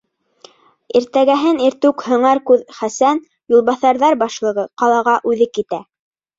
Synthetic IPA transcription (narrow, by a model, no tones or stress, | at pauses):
iɾt̪æɡæɦɘniɾt̪ʉkhɤ̆ɴɑɾkʉðχæsæn | julˠβɑθɑɾðɑɾbɑʃlˠɤ̆ʁɤqɑlˠɑʁɑʔʉðɘkit̪æ